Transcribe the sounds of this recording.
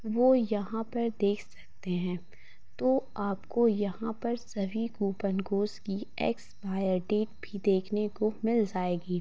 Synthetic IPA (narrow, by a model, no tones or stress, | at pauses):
ʋoːjɐɦãpɐɾd̪eːkʰsɐk̚t̪eɦɛ̃ː | t̪oaːpkojɐɦãpɐɾsɐbʱiɡuːpənɡoːskiɛ̰ːksbʱaːjəɾɖeːʈbʱid̪eːkʰnekomɪld͡ʒaːeːɡiː